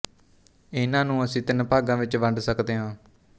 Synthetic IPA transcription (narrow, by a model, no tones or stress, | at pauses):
ɪnãːnũːəsĩːt̪ɪnpaːɡãːʋɪt͡ʃʋəɳɖsəkd̪eːɦãː